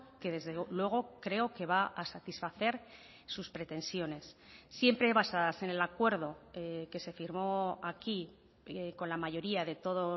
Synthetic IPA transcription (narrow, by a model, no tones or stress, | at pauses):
ke̞ðe̞zðelwe̞ɣ̞o̞kɾe̞oke̞βaʔasat̪isfaθe̞ɾ | suspɾe̞t̪e̞nsjo̞ne̞sːje̞mpɾe̞βasaðase̞ne̞lakwe̞ɾð̞o̞ke̞se̞fiɾmo̞aki | ko̞nlamaʝo̞ɾiaðe̞t̪o̞ðo